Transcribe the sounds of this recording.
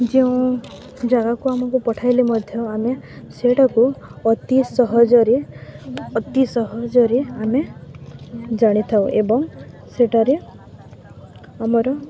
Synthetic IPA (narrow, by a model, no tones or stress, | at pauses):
d͡ʒeũ | d͡ʒaɡakuamɔkupɔʈʰajlimɔd̪ʱjɔameseʈɔkuɔt̪isɔɦɔd͡ʒɔɾe | ɔt̪isɔɦɔd͡ʒɔɾeame | d͡ʒaɽ̃it̪ʰaw̃ʔebɔŋ | seʈaɾe | amɔɾɔ